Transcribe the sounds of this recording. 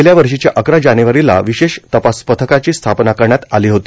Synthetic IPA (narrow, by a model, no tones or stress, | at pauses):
ljaʋəɾʂit͡ɕjaʔəkɾad͡ʑanjuʋəɾila̰ʋiɕeɕt̪əpaspət̪ʰəkat͡ɕiːst̪ʰapnakəɾɳjat̪aliːɦot̪i